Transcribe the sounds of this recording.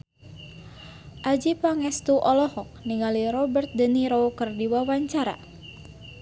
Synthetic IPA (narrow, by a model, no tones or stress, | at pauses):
ʔad͡ʒipaŋɛst̪uʔɔlɔhɔk̚niŋaliɾɔbərt̪̚dəniɾokɨrdiwawaɲt͡ʃaɾa̰